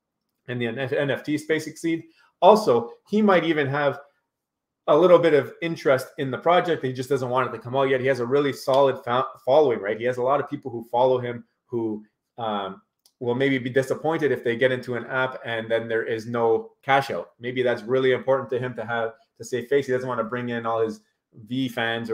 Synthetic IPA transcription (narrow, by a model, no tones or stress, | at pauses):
ɨ̃nðiɛɛ̃nɛftʰispeɪsɨksid | ɔlˠsoʊimaɪɾivɨ̃nəv | əlɪɾl̩ˠbɪɾʌvɪ̃nt͡ʃɹ̥ɨstɨ̃nðəpʰɹ̥ɑd͡ʒɛk̚ðɨt̚id͡ʒʌsd̥ʌzə̃nʔ̚wɑ̃ñɨtʰɨkʰʌ̃maʊt̚jɛt̚hiɨzəɹɪlˠisɑlˠəd̥fãfɑlˠoʊɪ̃ŋɹaɪt̚hiɨzəlɔɾʌv̥pʰipl̩ˠhufɑlˠoʊɪ̃m | hu | ʌ | wɪlˠmeɪbibidɪsəpʰɔ̃ɪ̃ntɨɾɨfðeɪɡɛɾɪ̃ntʰʉɨ̃næpɨ̃nðɨ̃nðə˞ʔɪznoʊkʰæʃoʊmeɪbiðætsɹɪlˠiɨ̃mpʰɔɹʔn̩tʰɨɨ̃mtɨːv̥ | tʰɨseɪfeɪshidʌzən̩t̚wɑ̃ntʰəbɹɪ̃ŋɪ̃nɔlˠɪz | vifæ̃nz